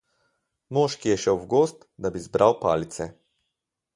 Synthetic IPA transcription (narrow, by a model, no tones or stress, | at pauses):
moːʃkijɛʃɛwwɡost̪d̪abizbɾawpa̰ːlit̪sɛ